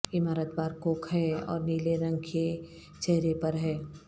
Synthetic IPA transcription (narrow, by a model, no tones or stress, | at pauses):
ɪmaːɾət̪baːɾkoːkʰɦɛɔ̰ːɾniːleɾɐ̃ŋɡkʰe | t͡ʃɛɦɾepɐɾɦɛː